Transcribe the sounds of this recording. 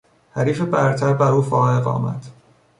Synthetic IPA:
hæɾiːfebæɾt̪ʰæɾbæɾuːfɒːeɣɒ̰ːmæ̰d̪̥

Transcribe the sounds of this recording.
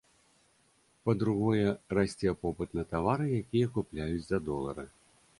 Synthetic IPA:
pɐd̪ɾuɣɔjɛrasʲt͡sʲɛpɔpɨt̪nɐt̪avaɾɨjakʲijɐkuplʲajut͡sʲzɐd̪ɔlˠɐ̰ɾɐ

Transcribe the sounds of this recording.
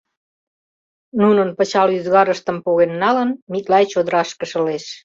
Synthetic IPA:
nunənpət͡ɕɑlyzɣɑɾəʃt̪əmpoɣenːɑlənmik̚lɑjt͡ɕod̪əɾɑʃkəʃə̆leʃ

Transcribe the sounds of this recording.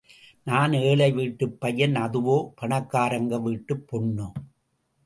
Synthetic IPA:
naːneːɭɐɪʋiʈːɯpːɐjːɐnɐðɯʋoːpɐɳɐkːaːɾɐŋɡɐʋiʈːɯpːɔɳːoː

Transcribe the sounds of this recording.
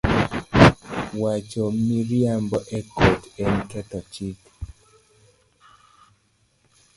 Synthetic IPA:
wat͡ʃɔmiɾjambɔʔɛkotɛntatat͡ʃik

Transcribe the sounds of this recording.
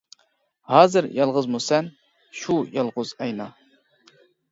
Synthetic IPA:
hɑːzɨɾjɑlˠʁəzmosɛn | ʃujɑlˠʁʊzɛjnɑ

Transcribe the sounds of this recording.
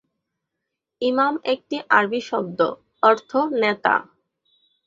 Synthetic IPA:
imamek̚ʈiʔaɾbiʃɔb̚d̪o̰ | ɔɾt̪ʰonet̪a̰

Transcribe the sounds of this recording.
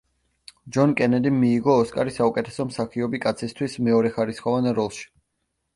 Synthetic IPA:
d͡ʒɔnkʼɛnɛd̪imːiːɡɔːskʼaɾisaukʼɛt̪ʰɛ̥sɔmsaχiɔbikʼat̪sʰist̪ʰwismɛɔɾɛχaɾisχɔvanaɾɔlˠʃi̥

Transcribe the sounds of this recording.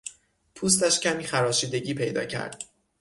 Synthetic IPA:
pʰuːs̬t̪æʃcʰʲæmiːxæɾɒːʃiːd̪e̞ɟiːpʰe̞jd̪ɒ̰ːcʰæ̰ɾd̪̥

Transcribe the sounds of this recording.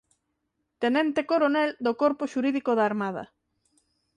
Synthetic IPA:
t̪enɛ̃nt̪ekoɾonɛld̪okoɾpoʃuɾiðikoðaːɾmað̞ɐ̰

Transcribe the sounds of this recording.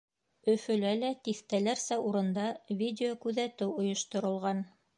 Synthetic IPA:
ɵ̆fɵ̆lælæt̪iθt̪ælæɾsæuɾɤ̆nd̪ɑvʲidʲɪokʉðæt̪ɘwŏjŏʃt̪ŏɾɤ̆lˠʁɑn

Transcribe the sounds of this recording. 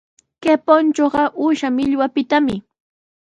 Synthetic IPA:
kepont͡ʃoɢɑʔʊʃamɪʎwapɪt̪amɪ

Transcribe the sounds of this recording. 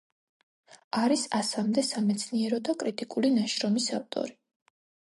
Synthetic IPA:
aɾisasamd̪ɛsamɛt̪sʰniɛɾɔd̪akʼɾit̪ʼikʼulinaʃɾɔmisaft̪ʼɔ̰ɾi

